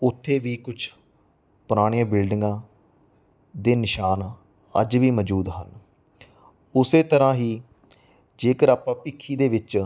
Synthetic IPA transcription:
ʊt̪ʰːeːʋiːkʊt͡ʃʰ | pʊɾaːɽ̃iːãːbɪlɖɪŋɡãː | d̪eːnɪʃaːn | ə̰d͡ʒʋiːməd͡ʒuːd̪ɦə̰n | ʊseːt̪əɾãːɦiː | d͡ʒeːkəɾaːpãːpɪkʰːiːd̪eːʋɪt͡ʃ

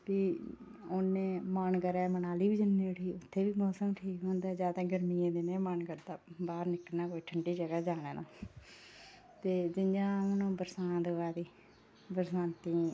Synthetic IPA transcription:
piː | onːẽːmaːnkəɾɛːmənaːliːʋiːd͡ʒɪnːẽːʊʈʰiːʊt̪ʰːeːʋiːmoːsəmʈʰiːkɦõːnd̪aːzjaːd̪aːɡəɾmiẽːd̪eːnẽːmaːɳkəɾd̪aːbaːɾnɪkənaːkoːiʈʰəɳɖiːd͡ʒəɡaːd͡ʒaːɽ̃eːnã̰ː | t̪eːd͡ʒɪnd͡ʒãːnõːbəɾsãːnt̪oaːd̪iː | bəɾsãːnt̪iː

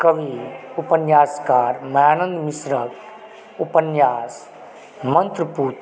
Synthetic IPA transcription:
kəʋiupənjaːskaːɾmɐjaːnə̃nd̪misɾək | upənjaːs | mənt̪ɾəpuːt̪

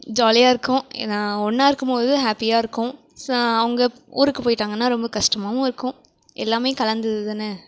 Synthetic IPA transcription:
d͡ʒaːlɪjaːɪɾɯkːʊ̃ãɔnːaːɪɾɯkːɯmpoːðɯɦaːpːɪjaːɪɾɯkːʊ̃ | sɐʋɐŋɡɐ | ṵːɾɯkːɯpoːjɪʈːaːŋɡɐnːaːɾɔmbɐkɐʂʈɐmaːʋʊ̃ɪɾɯkːʊ̃ | ʔɛ̰lːaːmeːkɐlɐnd̪ɯðɯðɯnːɯ

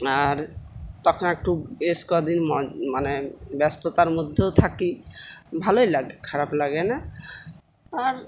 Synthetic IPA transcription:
aɾt̪ɔkʰɔnɛk̚ʈueskɔd̪inmɔmanebɛst̪ot̪aɾmod̪ʱːeot̪ʰakibʱalojlaɡekʰaɾaplaɡena | aɾ

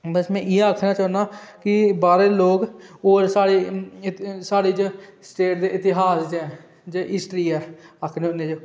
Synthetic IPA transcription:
bəsmɛ̃ːʔɪeakʰnãːt͡ʃɔ̃ːnaːkɪbaːɾeːloːkɦoːɾsaːɽeː | saːɽiːd͡ʒsʈeːʈd̪eːʔɪt̪ɪɦaːsd͡ʒɛ̃ː | d͡ʒeʔɪsʈɾiːɛːəkʰneːʊnːeːd͡ʒoː

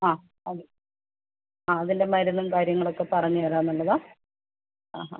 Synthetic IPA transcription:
aː | ɐðɨ | aːɐðinde̞mɐɾunːumkaːɾjɐŋːɐɭo̞kːe̞pɐrɐɲːiʋɐɾaːnːuɭːɐðaː | aːɦa

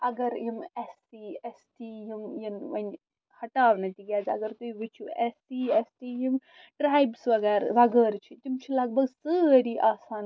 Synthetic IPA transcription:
ɐɡɐɾjimest̪iːesʈ̪iːjimjinʋɐnʲ | hɐʈaːʋnɐt̪iɡʲaːzɐ̰ɡɐɾt̪uiʋit͡ʃʰuest̪iːesʈ̪iːjim | ɖɾaːjbsʋɐɡɛːɾʋɐɡəːɾt͡ʃʰit̪ʲimt͡ʃʰilɐɡ̚bɐɡsəɾiːʔaːsaːn

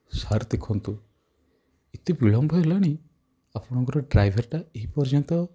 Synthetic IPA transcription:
saɾd̪ekʰɔnt̪u | it̪ibiɭɔmbʱɔɦelaɽ̃i | apɔɽ̃ɔŋkɔɾɔɖɾajbʱeɾʈaeɦipɔɾd͡ʒɔnt̪ɔ

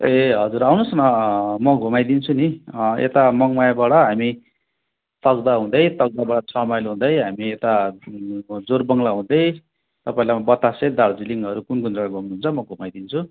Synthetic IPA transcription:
eɦʌd͡zuɾawnusnʌmʌɡʱumajd̪int͡sʰuniḛt̪amʌŋmajbaɽʌɦami | t̪ʌɡd̪aɦũd̪ʌjt̪ʌɡ̚d̪abaɽʌt͡sʰʌmajlɦũd̪ʌjɦamiet̪a | d͡zorbʌŋlaɦũd̪ʌj | t̪ʌpaĩlajbʌt̪ased̪aɽd͡ziliŋʌɾukunkunrʌɡaɡʌmnuɦunt͡sʰʌmʌɡʱumajd̪int͡sʰu

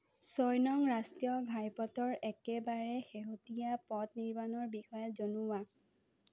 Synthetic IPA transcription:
sɔjnɔŋɹastijɔɡʱajpɔtɔɹɛkɛbaɹɛxeɦotijapɔtniɹmanɔɹbixɔjɔzonʊwa

